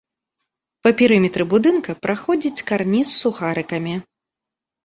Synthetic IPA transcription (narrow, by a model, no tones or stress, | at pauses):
pɐpʲiɾɨmʲɛt̪ɾɨbud̪ɨnkɐpɾʔaxɔd͡zʲit͡sʲkarnʲisːuxaɾɨkɐmʲi